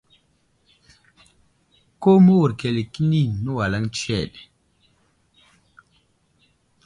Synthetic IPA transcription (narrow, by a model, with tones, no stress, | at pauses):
ko˦mə˦wu˨ɾke˨li˨ki˦ni˦˨nu˦wa˨la˦ŋt͡ʃɛ˦˨ɗ